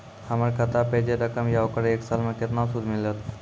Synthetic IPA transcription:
haməɾkət̪apəɦd͡ʑeɾəkəmjawkəɾeːksalməket̪nasud̪ʱmilət̪

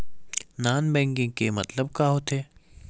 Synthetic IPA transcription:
naːnbɛ̃ːŋkɪ̃ŋɡkemɐt̪ləbkaːɦot̪ʰeː

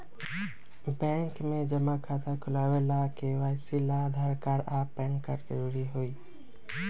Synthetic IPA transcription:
bɛ̃ːŋkmẽd͡ʒəmakʰaːt̪ʰakʰʊlaːwelakewaːɪsilad̪ʱaːɾkaːɾaːpːɛ̃ːŋkːəɾd͡ʒəɾuːɽiɦoiː

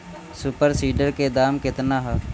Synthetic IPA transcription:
suːpəɾsiːɖəɾked̪aːmkɪt̪naːɦə

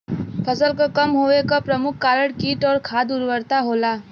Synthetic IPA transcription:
pʰəsəlkakɐmɦoːekapɾɐmʊkʰːaːɾəɽkiːʈɔːɾkʰaːd̪uːɾʋəɾt̪aɦoːlaː

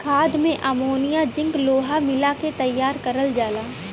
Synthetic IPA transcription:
kʰaːd̪mẽʔamoːnijad͡ʒɪ̃ŋɡloːɦamɪlaket̪ɐjːaːɾkɐɾəld͡ʒaːlaː

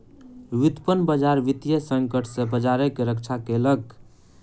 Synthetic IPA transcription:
ʋid̪pənbəd͡ʒaɾʋit̪jəsəŋkəʈʰsẽbəd͡ʒaɾekeɾəkt͡ʃʰakelək

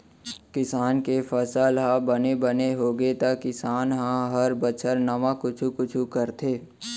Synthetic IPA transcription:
kɪsaːnkefʰəsəlɦãbənebəneɦoːɡet̪akɪsaːnɦãɦəɾbət͡ʃʰəɾnɐʋãkʊt͡ʃʰukʊt͡ʃʰukəɾt̪ʰeː

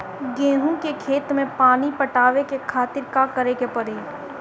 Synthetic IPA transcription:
ɡẽːɦũkekʰeːt̪mẽpaːnipɐʈaːʋekekʰaːt̪ɪɾkakəɾekepɐɾeː

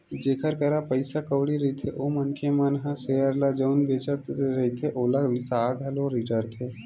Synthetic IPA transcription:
d͡ʒeːkʰəɾkəɾapəjsakəʋɽiɾəit̪ʰeʔomənkʰemənɦãsejəɾlad͡ʒəwnbeːt͡ʃət̪ɾɐɦit̪ʰeʔolaʋisaɡ̪ʱaloɾiʈəɾt̪ʰe

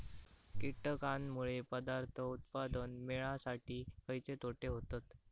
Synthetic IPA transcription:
kiʈəkanmuɭepəd̪aɾt̪ʰəut̪̚pad̪ənmeɭasaʈiːkəjt͡set̪oʈeɦot̪at̪

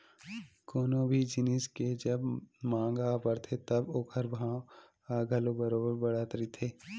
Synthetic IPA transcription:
koːnõːbʱid͡ʒɪnɪsked͡ʒɐbmãːŋɡapəɾt̪ʰet̪ɐboːkʰəɾbʱãːw | aɡʱɐlobɐɾoːbəɾbɐɽaːt̪ɾit̪ʰeː

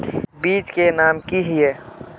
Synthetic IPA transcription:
biːt͡ʃkenaːmkiɦie

